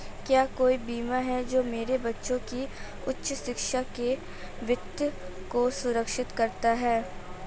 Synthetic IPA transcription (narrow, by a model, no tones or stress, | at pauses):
kjaːkoːibiːmaɦɛd͡ʒoːmeːɾebɐtːʃõki | ʊtːʃəʃɪkʃake | ʋɪt̪jəkosʊɾəkʃɪt̪kɐɾt̪aɦɛː